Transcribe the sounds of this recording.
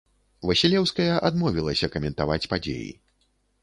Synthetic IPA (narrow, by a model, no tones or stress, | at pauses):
vɐsʲilʲɛwskɐjɐʔad̪mɔvʲilˠɐsʲɐkɐmʲɛnt̪avat͡sʲpad͡zʲḛjḭ